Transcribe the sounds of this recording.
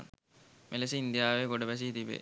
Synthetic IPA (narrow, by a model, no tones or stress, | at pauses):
n | melesiind̪jaːʋeɡoɖəpæs̬iit̪ibḛ